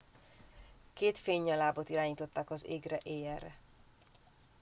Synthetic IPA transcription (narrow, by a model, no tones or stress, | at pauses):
keːt̪feːɲːɒlaːbot̪iɾaːɲiːt̪o̞t̪ːaːkɒzeːɡrɛʔeːjɛrːɛ̰